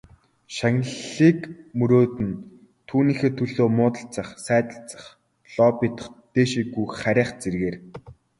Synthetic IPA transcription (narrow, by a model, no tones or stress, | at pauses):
ʃaŋɮiːkmɵɾoːt̪ɘ̆n | t̪ʰuːniːxeːt̪ʰɵɮoːmʊːt̪ə̆ɬt͡sə̆χsæːt̪ə̆ɬt͡sə̥̆χ | ɮ̥ɔpiːt̪ə̥̆χt̪eːʃiːɡujχæɾʲæːχt͡serɣeːr